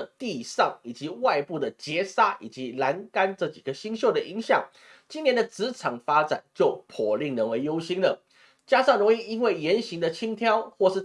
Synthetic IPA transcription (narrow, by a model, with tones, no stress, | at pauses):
t̪i˥˧ʂɑ˥˩ŋi˨˩t͡ɕi˧˦wa˥˧ɪpu˥˩d̪ə˩t͡ɕjɛ˧˥sa˥ʔi˨˩t͡ɕi˧˦la˧˥nka˥nʈ͡ʂɤ˥˧˩t͡ɕi˨˩ɡə˦ɕi˥ŋɕjo˥˩ʊd̪ə˨i˧˥ŋɕjɑ˥˩ŋ | t͡ɕi˥njɛ˧˥nd̪ə˧˨t͡sɹ̩˧˥ʈ͡ʂʰɑ˨˩ŋfa˥ʈ͡ʂa̰˨˩nt͡ɕjo˥˩ʊpʰɔ˨˩li˥˩ŋnə˧˥nwe˧˥ɪjo˥ʊɕi˥ŋlə˨ | t͡ɕja˥ʂɑ˥˩ŋɻʊ˧˥ŋi˥˩i˦˥nwe˥˩ɪjɛ˧˥nɕi˧˥ŋd̪ə˨t͡ɕʰi˥ŋt̪ʰjɑ˥ʊxwɔ˥˧ʂɻ̩˥˩